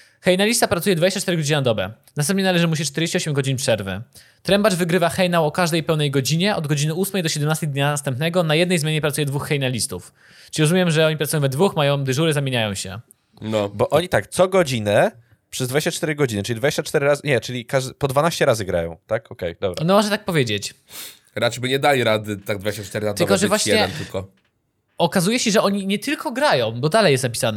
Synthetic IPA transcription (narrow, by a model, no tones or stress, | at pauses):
xɛjnalʲist̪apɾat̪ujɛd̪vad͡ʑeɕt͡ɕat͡ʂt̪ɛɾɘɡɔd͡ʑiɲanad̪ɔbɛ̰nast̪ɛmp̪̚ɲɛnalɛʐɘmuɕ̬it͡ʂt̪ɛɾd͡ʑeɕt͡ɕɛɔɕɛmɡɔd͡ʑiɲpʂɛɾvɘ̰ | t̪ɾɛmbaʐvɘɡɾɘvaxɛjnawɔkaʐd̪ɛjpɛwnɛjɡɔd͡ʑiɲɛʔɔd̪ɡɔd͡ʑinɘusmɛjd̪ɔɕɛd̪ɛmnast̪ɛjd̪ɲanast̪ɛmpnɛɡɔnajɛd̪nɛjzmʲjaɲɛpɾat̪sujɛd̪vuxːɛjnalʲist̪ufʲ | iɾɔzumjɛmʐɛɔɲipɾat̪ujɔ̃w̃vɛd̪vuxmajɔ̃w̃d̪ɘʐuɾɘzamʲjeɲajɔ̃w̃ɕɛ̰ | nɔbɔʔɔɲit̪akt̪sɔɡɔd͡ʑinɛ | pʂɛzd̪vad͡ʑeɕt͡ɕat͡ʂt̪ɛɾɘɡɔd͡ʑinɘʈ͡ʂɘlʲid̪vad͡ʑeɕt͡ɕat͡ʂt̪ɛɾɘɾazɲɛt͡ʂɘlʲikaʐd̪pɔd̪vanaɕt͡ɕɛɾazɘɡɾa̰jɔ̰̃w̃t̪akɔkɛjd̪ɔbɾaɔnɛmɔʐɛt̪ak̚pɔvʲjed͡ʑet͡ɕ | ɾatɛjbɘɲɛd̪alʲiɾad̪ɘt̪aɡ̚d̪vad͡ʑeɕt͡ɕat͡ʂt̪ɛɾɘad̪ɘlkɔʐɛvwaɕjɛdɛɛnt̪ɘlkɔ | ɔkazujɛɕɛʐɛɔɲiɲɛt̪ɘlkɔɡɾajɔ̃w̃bɔd̪alɛjɛst̪napʲisanɛ